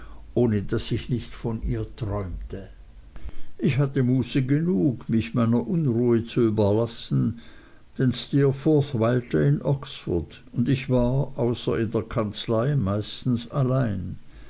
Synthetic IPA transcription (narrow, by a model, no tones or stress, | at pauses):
ʔoːnədasɪçnɪçtfɔnʔiːɐtʁ̥ɔʏmtʰə | ʔɪçhatəmuːsəɡənuːkmɪçmaɪnɐʔʊnʁuːət͡suyːbɐlasn̩ | d̥ɛnstɛːɐfɔθvaɪltəɪnʔɔksfʊ̰d̥ | ʊndɪçv̥aːɐʔaʊsɐ̰ɪndeːɐkʰant͡slaɪmaɪstn̩salaɪn